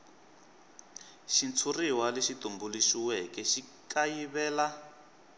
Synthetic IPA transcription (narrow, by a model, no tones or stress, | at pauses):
ʃint͡sʰuriwaleʃit̪umbuliʃiwɛkɛʃi | kajiβɛːla